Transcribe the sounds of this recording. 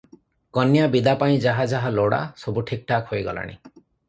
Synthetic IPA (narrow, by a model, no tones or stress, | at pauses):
kɔnjabid̪apaĩd͡ʒaɦad͡ʒaɦaloɽa̰sobuʈʰik̚ʈakhojɡɔla̰ɽ̃ḭ